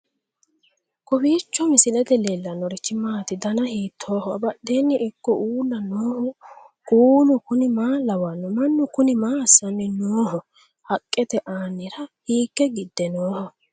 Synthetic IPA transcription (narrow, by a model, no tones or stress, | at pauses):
kɔbiːt͡ʃːɔmɪsɪlɛd̪ɛlelːɐnɔɾɪt͡ʃːɪmaːt̪ɪd̪ɐnɐhiːt̪ʰːoːhɔɐ̰bɐɗeːnːɪʔɪkːɔʔuːlːɐnoːhʊ | kuːnʊkʊnɪmaːlɐwɐnːʊmɐnːʊkʊnɪmaːsːɐnːɛnoːhɔ | hɐkʼːɛt̪ɛʔaːnːɪɾɐhiːkːɛɡɪd̪ːɛnoːhɔ